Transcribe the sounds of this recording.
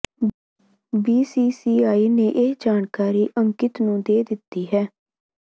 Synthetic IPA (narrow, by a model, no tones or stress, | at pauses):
biːsiːsiːaːiːnẽːʔed͡ʒaːnkaːɾiːʔəŋkɪt̪nũːd̪eːd̪ɪt̪ːiːɦɛː